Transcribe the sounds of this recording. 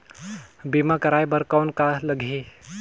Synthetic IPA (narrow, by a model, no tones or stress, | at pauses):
biːmakɐɾaːjbəɾkaʊnkaləɡʱi